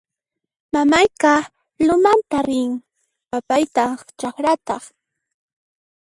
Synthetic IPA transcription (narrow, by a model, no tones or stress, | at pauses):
mamajka | lʊmant̪aɾɪŋ | papajt̪at͡ʃɑχɾat̪ɑχ